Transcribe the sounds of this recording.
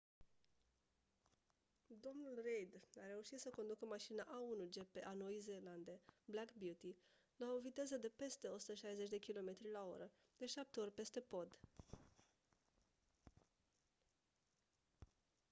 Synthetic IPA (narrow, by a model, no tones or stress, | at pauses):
d̪o̞mnulrejd̪aɾe̞uʃit̪səko̞nd̪ukəmaʃinaʔaunud͡ʒe̞pe̞ʔano̞ize̞ːland̪e̞blakbjut̪i | lao̞vit̪e̞zəd̪e̞pe̞st̪e̞ot̪su̥t̪əʃajzet͡ʃʲd̪e̞kʲilo̞me̞t̪ɾilao̞̰ɾə | d̪̥e̞ʃap̚t̪eo̞rʲpe̞st̪e̞po̞d̪